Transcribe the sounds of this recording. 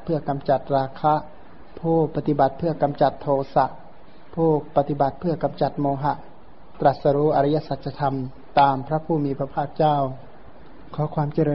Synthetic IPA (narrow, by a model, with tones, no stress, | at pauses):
pʰɯ˥˩ɐka˧mt͡ɕa˨˩t̪̚ɾaː˧kʰa˧˥ | pʰoː˥˩pa˧t̪i˧ba˨˩t̪̚pʰɯ˥˩ɐka˧mt͡ɕa˨˩t̪ʰːoː˧sa˧ʔ | pʰoː˥˩k̚pa˧t̪i˧ba˨˩t̪̚pʰɯ˥˩ɐka˧mt͡ɕa˨˩t̪̚moː˧ɦa˧˥ʔ | t̪ɾa˧˩sa˧ɾuː˧˥ʔa˧ɾa˧˥ja˧˥sa˧˩t̪̚t͡ɕʰa˧t̪ʰa˧m | t̪aː˧mpʰɾa˦˥pʰuː˧˩miː˧pʰa˧pʰaː˥˩k̚t͡ɕaː˥˩˨w | kʰɔː˨˦kʰwaː˧˥mt͡ɕa˧ɾɤː˧